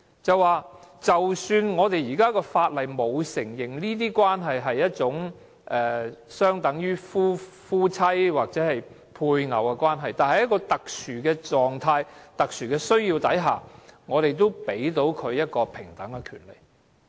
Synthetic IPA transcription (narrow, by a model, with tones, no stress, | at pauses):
t͡sɐ˨wwaː˨t͡sɐ˨wsyː˧nŋɔː˨˧t̪e˨jiː˨˩kaː˥kɔː˧faː˧t̚lɐ˨˩jmo˨˧wsɪ˨˩ŋjɪ˨˩ŋniː˥t̪̬iː˥kwaː˥nɦɐ˨jɦɐ˨jːɐ˥t̚t͡sʊ˨˥ŋ | ʔɛː˨sœː˥ŋt̪ɐ˨˥ŋjyː˥fuː˥ | fuː˥t͡sʰɐ˥jwaː˨k̚t͡sɛ˨˥hɐ˨j | pʰuː˧jŋɐ̰˨˩wkɛ˧kwaː˥nɦɐ˨jt̪aː˨nhɐ˨jɐ˥kːɔː˧t̪ɐ˨k̚syː˨˩kɛː˧t͡ʃɔː˨ŋt̪ʰaː˧jt̪ɐ˨k̚syː˨˩kɛː˧sɵ˥ɥjiː˧wt̪ɐ˨˥jɦa̰ː˨˩ŋɔː˨˧ɾe˨jt̪o˥wpe˨˥jt̪o˨˥wkʰɵ˨˧ɥjɐ˥t̚kɔː˧pʰɪ˨˩ŋt̪ɐ˨˥ŋːɛ˧kʰyː˨˩nlḛ˨˩j